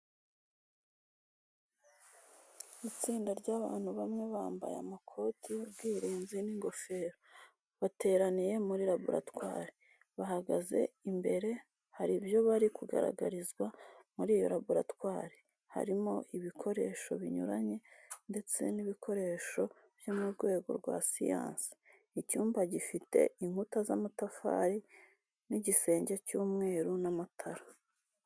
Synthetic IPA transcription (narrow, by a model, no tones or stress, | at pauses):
it͡siːndaɾɟaːβa̰ːn̥huβamŋe̞βaːmba̰ja̰makʰo̞ːtibɡiːɾiːnziniŋɡo̞fe̞ːɾo | βate̞ːɾanije̞muɾiɾaβṵɾa̰twa̰ːɾe | βaɦaɡaze̞̰imbe̞ɾe̞ | haɾibjo̞βaɾikuɡa̰ɾa̰ɡaɾizɡwamuɾiːjo̰ɾaβuɾa̰twaːɾe | ha̰ɾimo̞ʔiβikʰo̞ɾe̞ːʃo̞̰βiɲṵɾaɲe̞nde̞t͡se̞̰niβikʰo̞ɾe̞ːʃo̞ | v̥jo̞muɾɡwe̞ːɡo̞̰ɾɡwa̰sḭja̰ːnsi̥ | icuːmbaɟifite̞̰iŋhutazamatafa̰ːɾi | niɟise̞ːɲɟecuːmŋe̞ːɾunamatʰaɾḁ